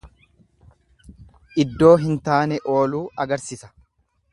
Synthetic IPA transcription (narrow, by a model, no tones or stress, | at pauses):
ʔɪd̪ːo̞ːɦɪnt̪aːnɛʔo̞ːluːɐɡɐɾsɪsɐ̥